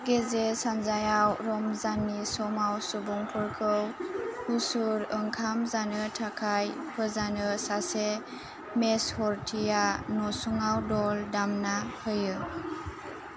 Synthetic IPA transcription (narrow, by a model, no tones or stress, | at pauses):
ɡezesanzajawɾɔmzanːisɔmawsubuŋpʰɯɾkʰɯwhusuɾəŋkʰamzanɯtʰakʰajpʰɯzanɯsase | meshɔɾtʰijanɔsuŋawdɔldamnahɯjɯ